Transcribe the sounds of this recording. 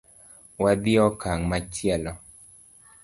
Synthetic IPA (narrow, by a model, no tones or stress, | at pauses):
wad̪ɪɔkʰaŋmat͡ʃjɛlɔ